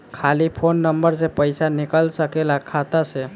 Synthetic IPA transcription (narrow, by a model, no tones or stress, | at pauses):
kʰalipʰonːəmbəɾsepəɪsanikəlsəkelakʰat̪ase